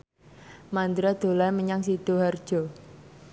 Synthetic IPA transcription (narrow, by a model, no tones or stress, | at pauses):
mand̪ɾad̪̥o̤lajməɲaŋsid̪̥oɦard̥ʒ̥ɔ